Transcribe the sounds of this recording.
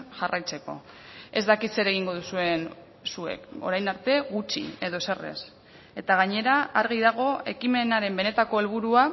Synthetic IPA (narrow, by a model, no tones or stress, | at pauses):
ʝarajt͡se̞ko̞̰ | e̞zd̪akit̪se̞ɾe̞ɣ̞iŋɡo̞ð̞usue̞n | sue̞̰ko̞̰ɾajnaɾt̪e̞ɣut͡ʃḭe̞ðo̞se̞re̞̰s | e̞t̪aɣ̞aɲe̞ɾaaɾɣ̞iðaɣ̞o̞e̞kime̞naɾe̞mbe̞ne̞t̪ako̞e̞lβ̞uɾua